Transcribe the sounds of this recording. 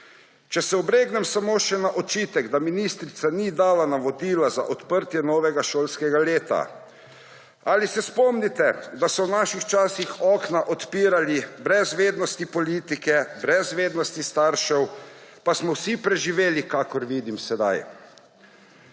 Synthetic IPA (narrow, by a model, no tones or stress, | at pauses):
t͡ʃɛsɛɔbɾeːɡnɛmsamoːʃɛnaʔɔt͡ʃiːt̪ɛɡd̪aminist̪ɾit̪sanid̪aːlanaʋɔd̪iːlaza̰ʔɔt̪pəɾt̪jɛnɔːʋɛɡaʃoːlskɛɡaleːt̪a̰ | aːlisɛspɔmnit̪ɛd̪asɔwnaʃixt͡ʃaːsixɔːknaʔɔt̪piːɾalibɾɛzʋeːd̪nɔst̪ipɔliːt̪ikɛbɾɛzʋeːd̪nɔst̪ist̪aɾʃɛwpasmɔwsipɾɛʒiʋeːlikakɔɾʋiːd̪imsɛd̪a̰j